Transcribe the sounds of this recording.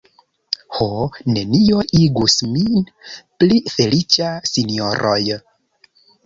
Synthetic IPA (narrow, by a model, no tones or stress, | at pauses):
hone̞nio̞iɡusminplife̞lit͡ʃasinio̞ɾʔoj